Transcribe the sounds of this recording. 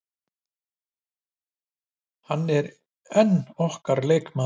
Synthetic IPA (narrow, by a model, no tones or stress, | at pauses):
hanːɛɾ | ɛnːɔhkaɾleːjkma